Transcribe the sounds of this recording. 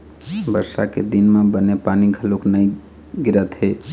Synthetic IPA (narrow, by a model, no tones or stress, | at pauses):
bəɾsa̰ked̪inmebənepaniɡʱəloknəj | ɡiɾət̪ɦe